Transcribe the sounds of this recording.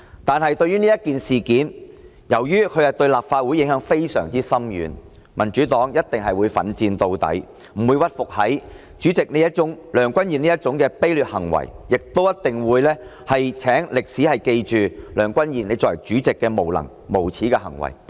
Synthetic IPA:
t̪aː˨nhɐ˨jt̪ɵ˧ɥyː˥niː˥jɐ˥t̚kiː˨nsiː˨kiː˨˥n | jɐ˨˩wjyː˥kʰɵ˨˧jhɐ˨t̪ɵ˧ɥlaː˨p̚faː˧t̚wuː˨˥jɪ˨˥ŋhœː˨˥ŋfe˥jsœ̰ː˨˩ŋt͡siː˥sɐ˥mjy̰ː˨˧n | mɐ˨˩nt͡ʃyː˨˥t̪ɔː˨˥ŋjɐ˥t̚t̪ɪ˨ŋɦɐ˨jwuː˨˧jfɐ̰˨˥nt͡siː˧nt̪o˧wt̪ɐ̰˨˥j | m̩˨˩wuː˨˧jwɐ˥t̚fʊ˨k̚hɐ˨˥j | t͡ʃyː˨˥t͡sɪ˨k̚ne˨˧jɐ˥t̚t͡ʃʊ˨˥ŋlœː˨˩ŋkʷɐ˥njiː˨niː˥jɐ˥t̚t͡ʃʊ˨˧˥ŋkɛː˧pe˥jlyː˨t̚hɐ̰˨˩ŋwɐ̰˨˩jjɪ˨k̚t̪o˥wjɐ˥t̚t̪ɪ˨ŋwuː˨˧jlɛː˥ | hɐ˨jt͡sʰɛː˨˥ŋlɪ˨k̚siː˨˥hɐ˨˩jke˧jt͡ʃyː˨lœː˨˩ŋkʷɐ˥njiː˨˩ne˨˧jt͡sɔː˨˩t͡syː˨˥t͡sɪ˨kːɛː˧mo˨˩wlɐ̰˨˩ŋ | mo˨˩wt͡sʰiː˨˥kɛː˧hɐ̰˨˩ŋwɐ̰˨˩j

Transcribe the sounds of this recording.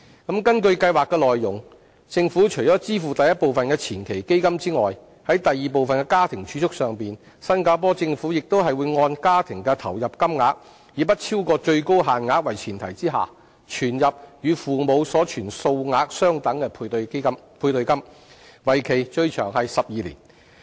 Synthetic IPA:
kɐ˨˥mkɐ˥nkɵ˧ɥkɐ˧jwaː˨˩kːɛ˧lɔː˨jːʊ˨˩ŋ | t͡sɪ˧ŋfuː˨˥t͡ʃʰɵ˨˩jt͡ʃɔː˨˥t͡siː˥fuː˨˩t̪ɐ˨jɐ˥t̚po˨wfɐ˨nkɛː˧t͡sʰiː˨˩nkʰe˨˩jke˥jkɐ˥mt͡siː˥ŋɔː˨˩j | hɐ˨˥jt̪ɐ˨jːiː˨p̬o˨wfɐ˨nkɛː˧˥kaː˥t̪ʰɪ˨˩ŋt͡ʃʰyː˨˥t͡sʰʊ˥k̚sœː˨ŋpiː˨˩n | sɐ˥nkaː˧˥p̬ɔː˥t͡sɪ˧ŋfu˨˥jɪ˨k̚t̪o˥wɦɐ˨jwuː˨˧jŋɔː˧nkaː˥t̪ʰɪ˨˩ŋkɛː˧t̪ʰɐ˨˩wjɐ˨p̚kɐ˥mŋaː˧˥k̚ | jiː˨˥pɐ˥t̚t͡sʰiː˥wkɔː˧t͡ʃɵ˧ɥko˥wɦaː˨nŋaː˨˧k̚wɐ˨˩jt͡sʰiː˨˩nt̪ʰɐ˨˩jt͡siː˥ɦa̰ː˨ | t͡ʃʰyː˨˩njɐ˨p̚jyː˨˧fuː˨mo˨˧wsɔː˨˥t͡ʃʰyː˨˩nso˧wŋaː˧k̚sœː˥ŋt̪ɐ˨˥ŋkɛ˧pʰmpʰuː˧jt̪ɵ˧jkɐ˥m | wɐ˨jkʰe˨˩jt͡ʃɵ˧ɥt͡ʃʰœː˨˩ŋhɐ˨jsɐ˨p̚jiː˨˧liː˨˩n

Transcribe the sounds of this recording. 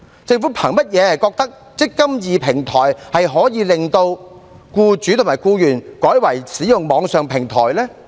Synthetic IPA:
t͡sɪ˧ŋfuː˨˥pʰɐ˨˩ŋmɐ˥t̚jɛː˨˧hɐ˨jkɔː˧k̚t̪ɐ˥k̚ | t͡sɪ˥kːɐ˥mjiː˨pʰɪ˨˩ŋt̪ʰɔː˨˩jhɐ˨jɦɔː˨˥jiː˨˧lɪ˨ŋt̪o˧w | kuː˧t͡syː˨˥t̪ʰʊ˨˩maː˨˩jkuː˧jyː˨˩nkɔː˨˥jwɐ˨˩jsiː˨˥jʊ˨ŋmɔː˨˧˥ŋsœː˨ŋpʰɪ˨˩ŋt̪ʰɔ̰ː˨˩jlɛː˥

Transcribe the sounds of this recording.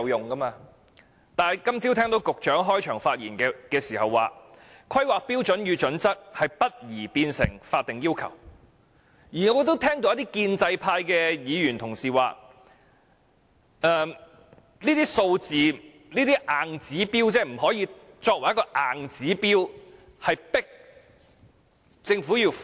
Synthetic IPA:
wjʊ˨ŋkɐ˥maː˧ | t̪aː˨n˨˩kɐ˥mt͡si˧˥t̪ʰɛː˥ŋt̪o˨˧wkʊ˨k̚t͡ʃœː˨˥ŋɦɔː˥jt͡ʃʰœː˨˩ŋfaː˧t̚jḭː˨˩nkɛ˧kɛː˧siː˨˩hɐ˨wːa̰ː˨kʰɐ˥jwaː˨k̚piː˥wt͡ʃɵ˨˥njyː˨˧t͡ʃɵ˨˥nt͡sɐ˥k̚hɐ˨jpɐ˥t̚jiː˨˩piː˧nsɪ̰˨˩ŋfaː˧t̚t̪ɪ˨ŋjiː˥wkʰɐ̰˨˩w | jiː˨˩ŋɔː˨˧t̪o˥wt̪ʰɛː˥ŋt̪o˧wjɐ˥t̪iː˥kiː˧nt͡sɐ˧jpʰaː˧jkɛː˧jiː˨˧jy˨˩nt̪ʰʊ˨˩ŋsiː˨waː˨˧ | ɛː˧ | niː˥t̪iː˥so˧wt͡siː˨ | niː˥t̪iː˥ʔaː˨˩ŋt͡siː˨˥piː˥wt͡sɛː˥m̩˨˩ɦɔː˨˥jiː˧ | t͡sɔː˧k̚wɐ˨˩jɐ˥kɔː˧ʔaː˨ŋt͡siː˨˥piː˥w | hɐ˨jpɪ˥k̚ | t͡sɪ˧ŋfuː˨˥jiː˧

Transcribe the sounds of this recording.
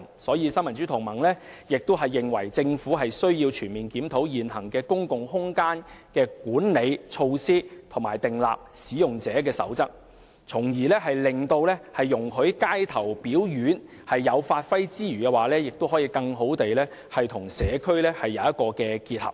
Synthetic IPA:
sɔː˨˥jiː˧sɐ˥mɐ˨˩nt͡syː˨˥t̪ʰʊ˨˩ŋmɐ˨˩ŋlɛː˥jɪ˨k̚t̪ʊ˥wɦɐ˨jːɪ˨ŋwɐ˨˩jt͡sɪ˧ŋfuː˨˥ɦɐ˨jsɵ˥ɥjiː˧wt͡ʃʰyː˨˩nmiː˨nkiː˨˥mt̪ʰo˨˥wjiː˨˩nhɐ˨˩ŋkɛː˧kʊ˥ŋkʊ˨ŋhʊ˥ŋkaː˥nkɛː˧kuː˨˥nle˨˧jt͡sʰo˧wsiː˥t̪ʰʊ˨˩ŋmaː˨˩jt̪ɪ˨ŋla̰ː˨p̚siː˨˥jʊ˨ŋt͡sɛː˨˥k̬ɛː˧sɐ̰˨˥wt͡sɐ˥k̚ | t͡sʰʊ˨˩ŋjiː˨˩lɛː˥ɦɐ˨jlɪ˨ŋt̪o˧wlɛː˥hɐ˨jːʊ˨˩ŋɦɵ˨˥ɥkaː˥jt̪ʰɐ˨˩wpiː˨˥wjyː˨˥n | hɐ˨jːɐ˨˧wfaː˧t̚fɐ˥jt͡siː˥ɥyː˨˩kɛː˧waː˨lɛː˥jɪ˨k̚t̪o˥wɦɔ˨˥jiː˧kɐ˧ŋɦo˨˥wt̪e˨jlɛː˥ | hɐ˨jt̪ʰʊ˨˩ŋsɛː˨˧kʰɵ˥ɥlɛː˥hɐ˨jːɐ˨˧wjɐ˥t̚kɔː˧kɛː˧kiː˧t̚hɐ̰˨p̚

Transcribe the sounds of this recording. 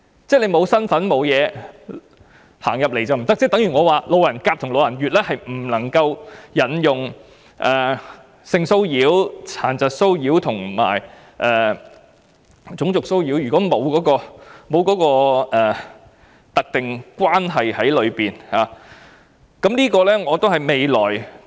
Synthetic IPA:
t͡sɛː˥˩le˨˧jmo˨˧wsɐ˥nfɐ˨˥nmo˨˧wjɛː˨˧ | haː˨˩ŋjɐ˨p̚le˨˩jt͡sɐ˨˧m̩˨˩t̪ɐ˥k̚t͡sɛ˥˩t̪ɐ˨˥ŋɥy˨˩ŋɔː˨˧waː˨˧lo˨˧wjɐ˨˩nkaː˧p̚t̪ʰʊ˨˩ŋlo˨˧wjɐ˨˩njyː˨t̚lɛː˥hɐ˨jm̩˨˩nɐ˨˩ŋkɐ˧wjɐ˨˥njʊ˨ŋ | ʔɛː˨ | sɪ˧ŋso˥wjiː˨˥wt͡sʰaː˨˩nt͡sɐ˨t̚so˥wjiː˨˥wt̪ʰʊ˨˩ŋma̰ː˨˩j | ʔɛː˨ | t͡sʊ˨˥ŋt͡sʊ˨k̚so˥wjiː˨˥wjy˨kɔː˨˥mo˨˧wkɔː˨˥kɔː˧mo˨˧wkɔː˨˥kɔː˧ʔɛː˨˩ | t̪ɐ˨k̚t̪ɪ˨ŋkwaː˥nɦɐ˨jhɐ˨˥jlɵ˨˧ɥpiː˨nhaː˨˧ | kɐ˨˥mliː˥kɔː˧lɛː˥ŋɔː˨˧t̪o˥whɐ˨jme˨jlɔː˨˩j

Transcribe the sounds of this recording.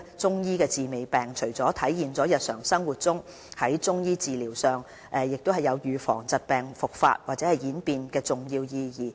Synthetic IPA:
t͡sʊ˥ŋjiː˥kɛː˧t͡siː˨me˨˧jpɛː˨˩ŋt͡ʃʰɵ˨˩ɥt͡sɔː˨˥t̪ʰɐ˨˥jjiː˨˧nt͡sɔː˨˥jɐ˨t̚sœː˨˩ŋsɐ˥ŋwuː˨˩t̚t͡sʊ˥ŋ | hɐ˨˥jt͡sʊ˥ŋjiː˥t͡siː˨liː˨˩wsœː˨ŋ | ʔɛ˨jɪ˨k̚t̪o˥whɐ˨˩jɐ˨˧wjyː˨˧fɔ̰ː˨˩ŋt͡sɐ˨˧t̚pɛː˨ŋfʊ˨k̚fa̰ː˧t̚waː˨t̚t͡sɛː˨˧˥ɐ˨jiː˨˥npiː˨nkɛː˧t͡sʊ˨ŋjiː˧wjiː˧jiː˨˩

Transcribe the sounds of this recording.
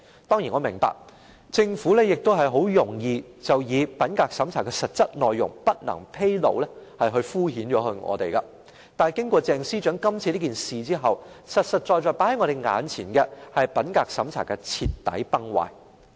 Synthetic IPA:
t̪ɔː˥ŋjiː˨˩nŋɔ˨˧mɪ˨˩ŋpa̰ː˨k̚ | t͡sɪ˧ŋfuː˨˥lɛː˥jɪ˨k̚t̪o˥wɦɐ˨jɦo˨˥wjʊ˨˩ŋjiː˨˧ | t͡sɐ˨wjiː˨˧pɐ˨˥nkaː˧k̚sɐ˨˥mt͡sʰaː˨˩kɛː˧sɐ˨t̚t͡sɐ˥t̚nɔː˨jːʊ˨˩ŋpɐ˥t̚nɐ̰˨˩ŋpʰe˥jlo̰˨˧wlɛː˥hɐ˨jɦɵ˧ɥfuː˥ɦiː˨˥nt͡ʃɔː˨˧˥hɵ˧ɥŋɔ̰ː˨˧t̪e˨jkɐ˧ | t̪aː˨nkɪ˥ŋkʷɔː˧t͡sɛː˧ŋsiː˥t͡ʃœː˨˥ŋkɐ˥mt͡sʰiː˧li˥kiː˨˩nsiː˨t͡siː˥ɦɐ˨wsɐ˨t̚sɐ˨t̚t͡ʃɔː˧jt͡ʃɔː˧˩jpa˨˥hɐ˨˥jŋɔː˨˧ɾe˨˩jŋa̰ː˨˧nt͡sʰiː˨˩nkɛ˧hɐ˨jpɐ˨˥nkaː˧k̚sɐ˨˥mt͡sʰa̰ː˨˩kɛ˧t͡sʰiː˧tt̪ːɐ̰˨˥jpɐ˥ŋwa̰ː˨j

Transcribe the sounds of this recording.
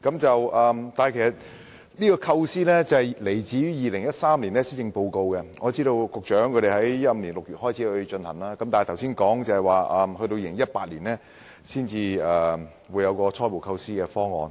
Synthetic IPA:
kɐ˨˥mt͡sɐ˨wʔɐː˨˧mt̪aː˨nhjkʰe˨˩sɐ˨t̚ | nliː˥kɔː˧kʰɐ˧wsiː˥lɛː˥t͡sɐ˨ɛ˨˩jle˨˩jt͡siː˨˥jjiː˨˩lɪ˨˩ŋjɐ˥t̚saː˥mliː˨˩nlɛː˥siː˥t͡sɪ˧ŋpo˧wko˧wkɛ˧ŋɔː˨˧˦t͡siː˥ɾo˧wkʊ˨k̚t͡ʃœː˨˥ŋkʰɵ˧ɾe˨˩ɦɐ˨˥jjɐ˥t̚m̩˧nliː˨˩nlʊ˨k̚jyː˨t̚hɔː˥jt͡sʰiː˨˥hɵ˧ɥt͡ʃɵ˧nhɐ˨˩ŋlaː˥kɐ˨˥mt̪aː˨˩t̪ʰwsiː˥nkɔː˨˥ŋt͡sɐ˧˩hɛ˨˩jwaː˨ɐ˧mhɵ˧t̪o˧wjiː˨˧lɪ˨˩ŋjɐ˥t̚paː˧t̚liː˨˩nlɛː˥ | siː˥nt͡siː˧ɛː˨˩ | wuː˨˧jɐ˨˧wkɔː˧t͡sʰɔː˥jpo˨˩wkʰɐ˧wsiː˥kɛː˧fɔː˥ŋɔ̰ː˨˧n

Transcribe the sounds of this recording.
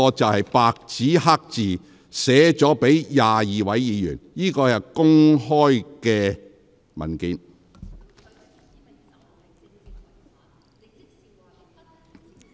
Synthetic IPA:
ɔː˧t͡sɐ˨whɐ˨jpaː˧k̚t͡siː˨˥haː˥k̚t͡siː˨ | sɛː˨˥t͡sɔː˨˥pe˨˥jjaː˨jiː˨wɐ˨˥jːiː˨˧jy̰ː˨˩njiː˥kɔː˧jɐ˨˩wkʊ˥ŋhɔː˥jkɛː˧ | mɐ̰˨˩nkiː˨˧n

